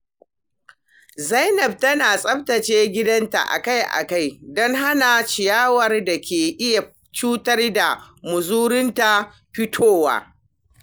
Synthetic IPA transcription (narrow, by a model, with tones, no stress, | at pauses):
za˦jnɐ˨b̚tɐ˦naː˨sʼɐ˦b̚tɐ˨t͡ʃeː˦ɡʲɪ˦dɐ˦nta̰˨ʔa̰˨ka˦jʔa̰˨ka˦jdɔ˦ŋɦa˦na˨t͡ʃɪ˨jaː˦wɐ˨rda˨kʲeː˨ʔɪ˦ja˨ | t͡ʃuː˦tɐ˦rda˨mʊ˨zuː˦ɾɪ˦nta˨ | ɸɪ˦tʰoː˦wa̰ː˦